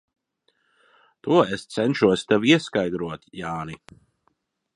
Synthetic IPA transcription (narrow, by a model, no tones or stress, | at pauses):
t̪uɔest̪sɛnʃuɔsʲt̪ɛviɛskajd̪ɾuɔt̪jaːni